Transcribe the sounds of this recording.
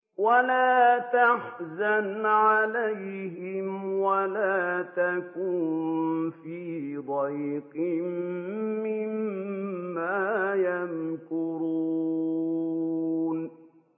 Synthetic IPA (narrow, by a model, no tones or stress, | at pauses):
walaːt̪aħzanʕalajhɪmwalaːt̪akuːnfiːd̪ajqɪmmːɪmː | aːjankʊɾu | n